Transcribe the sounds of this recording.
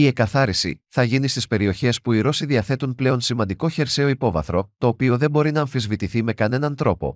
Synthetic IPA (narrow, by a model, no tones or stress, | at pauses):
ie̞kɐθɐɾisḭθɐʝinist̪ispe̞ɾio̞çe̞spuiɾo̞siðiɐθe̞t̪unple̞o̞nsimɐnd̪iko̞çe̞ɾse̞o̞ipo̞vɐ̰θɾo̞t̪o̞ːpio̞ðe̞bo̞ɾinɐːɱfizvit̪iθime̞kɐne̞nɐnt̪ɾo̞po̞̰